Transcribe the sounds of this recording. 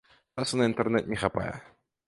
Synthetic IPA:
asɐnɐint̪ɛrnɛt̪nʲɛxapa̰jɛ̰

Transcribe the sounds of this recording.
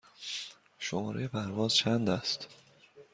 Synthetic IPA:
ʃomɒːɾejepʰæɾvɒːzt͡ʃʰænd̪æst̪

